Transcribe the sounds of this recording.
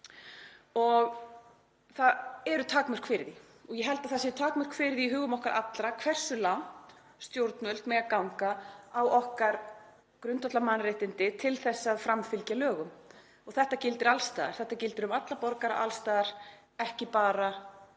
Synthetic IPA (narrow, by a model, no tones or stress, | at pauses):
ɔɣ | θaðɛɾʏt̪ʰaːkmʏr̥kfɪːɾɪði | ɔɣjɛɦɛlt̪aðθasjɛɾt̪ʰaːkmʏr̥kfɪɾɪðiɦʏːɣʏmɔhkaɾʔa̰t̪lɾakʰvɛr̥sʏlan̥t̪ | st̪jowɾt̪nœlt̪mɛɣakawŋkaawɔhkaɾ | kɾʏnt̪ɔt̪amanɾrejht̪ɪnt̪ɪt̪ʰɪlθɛsːaðfɾamfɪlcalœːɣʏm | ɔɣθɛht̪acɪlt̪ɪɾalst̪aːða̰̥θɛht̪acɪlt̪ɪɾʏmat̪lapɔɾkaɾa̰ʔa̰lst̪aːðaɾ | ɛhcɪpaːɾa